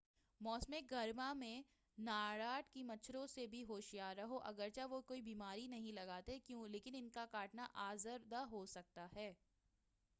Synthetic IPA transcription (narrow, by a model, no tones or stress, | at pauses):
mɔːsmẽɡʱɐɾmamẽ | naːɽaːʈkimɐtːʃʰɾõsebʱiɦoːʃijaːɾɐɦoʔɐɡəɾt͡ʃaʋokoːibiːmaːɾinɐɦĩlɐɡaːt̪ekjũːleːkɪnɪnkakaːʈnaʔaːzəɾd̪aɦosɐk̚t̪aɦɛː